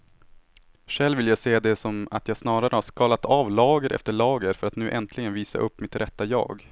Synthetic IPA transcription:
ʂɛlːvɪljaɡseːd̪ɛsɔma̰t̪jɑːsnɑːɾaɾəhaʂkɑːlat̪ʰɑːvlɑːɡəɾʔɛ̰ft̪əɭɑːɡəɾfœɾat̪nʉ̟ːʔɛnt̪ʰlɪɡənviːsa̰ʔɵpːmɪt̪ɾʔɛt̪ːajɑ̰ːɡ

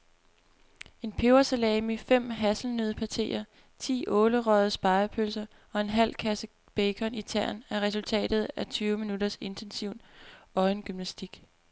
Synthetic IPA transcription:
e̝npʰeʊɐsælɛːmifem̰ɦæsl̩nøð̩ˠpʰɑt͡sʰe̝̰ːɐ | t͡sʰḭːʔɔ̽ːləʁœð̩ˠsb̥ɑ̈ɪɐpʰølsɐ | ɒ̽e̝nɦæl̰kʰæsə | b̥eɪkʰɒ̽nit͡sʰæɐ̰næɐʁɛs̬ult͡sʰɛ̰ːd̥ð̞̩ˠæt͡sʰyːʊəminudɐse̝nt͡sʰensiʊ̰nɒ̽ɪnɡ̥ymnæsd̥iɡ̥

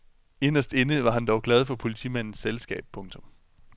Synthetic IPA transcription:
e̝nɐsd̥e̝nəʋɑ̈ɦænd̥ɒʊɡ̥lɛð̞ˠfɒ̽pʰo̝lit͡sʰḭmæn̰n̩selsɡ̥ɛ̰ːb̥̚pʰɔ̽ŋt͡sʰɔ̽m

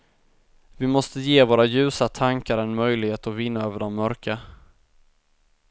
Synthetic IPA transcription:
vɪmɔst̪əjeːvoːɾajʉ̟ːsat̪ʰaŋkaɾɛnmœjlɪɡheːt̪ɔvɪnːaøːvəɖɔmmœɾkʰa

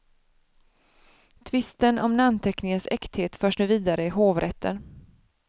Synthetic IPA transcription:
t̪ʰvɪst̪ənʔɔmnant̪ʰɛknɪŋənsɛkt̪heːt̪fœːʂɳʉ̟ːviːd̪aɾəɪɦoːvɾʔɛt̪ʰːə̰n

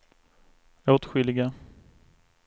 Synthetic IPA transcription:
ot̪ɧʏlɪɡa

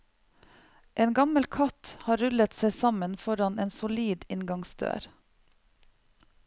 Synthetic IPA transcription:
ʔeːnɡɑməlkʰɑt̪hɑːɾʉlət̪seɪsɑmənfɔɾɑneːnsʊliːd̪ɪnɡɑŋsd̪ø̰ːɾ

